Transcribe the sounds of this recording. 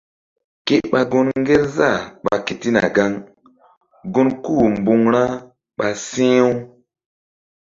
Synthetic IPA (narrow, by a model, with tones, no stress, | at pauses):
ke˦ɓa˨ɡo˦nŋ˦ɡe˦ɾza˦˨ɓa˨ke˨ti˦na̰˨ɡa˦ŋ | ɡo˦nku˦˨m˨bu˨ŋɾa˦ | ɓa˨sĩ˦w